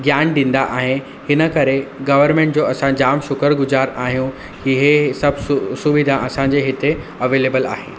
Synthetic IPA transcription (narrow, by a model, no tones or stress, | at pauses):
ɡjaːnɗĩːn̆d̪aʔaːɦe | hɪnə̆kɐɾeɡɐʋəɾmẽːɳʈd͡ʑoːɐsãd͡ʑaːmʃʊkəɾɡʊzaːɾaːɦijũ | iɦesɐbʱsʊʋid̪ʱãʔɐsãɲd͡ʑeɦɪt̪eɐʋeːleːbəla̰ːɦḛː